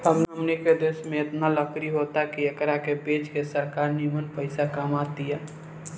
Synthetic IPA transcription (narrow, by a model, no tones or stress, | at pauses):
ɦəmnəmneked̪eːsmẽɪt̪naləkɾiɦoːt̪akiɐkəɾakepeːd͡ʒkesəɾkaːɾnimənpəɪsakamaːt̪iɛː